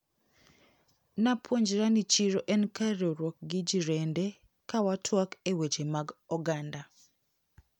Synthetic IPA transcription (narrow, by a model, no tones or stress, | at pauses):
napwoɲd͡ʒɾanit͡ʃiɾoʔɛnkaɾoɾwɔk̚ɡɪd͡ʒiɾende | kawatʰwakewet͡ʃemaɡɔɡanda